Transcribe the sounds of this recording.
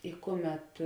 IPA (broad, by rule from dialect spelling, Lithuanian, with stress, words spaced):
ɪ ˈkʊˌmʲɛt